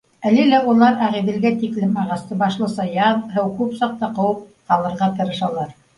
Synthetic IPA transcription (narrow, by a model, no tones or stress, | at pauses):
ælɘlæulˠɑɾæʁiðɘ̆lɡæt̪iklɘmɑʁɑst̪ɤbɑʃlˠɤsɑjɑðɦɘwkʉpsɑq̚t̪ɑqɤ̆wɤp̚qɑlˠɤ̆ɾʁɑt̪ɤ̆ɾɤ̆ʃɑlˠɑɾ